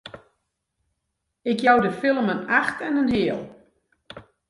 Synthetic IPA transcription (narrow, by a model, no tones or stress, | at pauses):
ɪkjawdəfɪlˠmənaxtɛnənɦɪəlˠ